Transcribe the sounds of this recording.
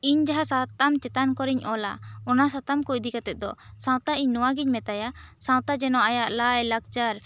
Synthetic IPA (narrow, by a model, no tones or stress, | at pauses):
iɲd͡ʒaɦasat̪amt͡ʃɛt̪ankɔɾiɲʔɔla̰ɔnasat̪amkuʔd̪ikat̪ɛt̪̚d̪ɔsãw̃t̪aʔiɲnɔwaɡiɲmɛt̪ajasãw̃t̪ad͡ʒɛnɔʔajaʔlajlak̚t͡ʃaɾ